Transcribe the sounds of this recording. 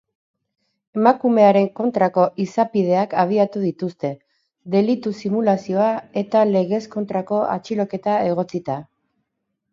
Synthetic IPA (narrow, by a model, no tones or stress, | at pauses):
e̞makume̞aɾe̞ŋko̞nt̪ɾako̞ʔisapið̞e̞akaβ̞iat̪uðit̪ust̪e̞ | ðe̞lit̪usimulasio̞ae̞t̪ale̞ɣ̞e̞sko̞nt̪ɾako̞a̰t͡ʃilo̞ke̞t̪ae̞ɣ̞o̞t͡sit̪a